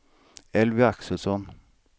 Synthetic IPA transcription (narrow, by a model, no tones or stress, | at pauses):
ɛlʋɪæksəlsɔn